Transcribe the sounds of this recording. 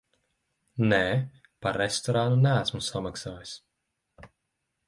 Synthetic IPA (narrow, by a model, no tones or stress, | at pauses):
nɛ | paɾɛst̪ɔɾanunææsmusamaksaːjis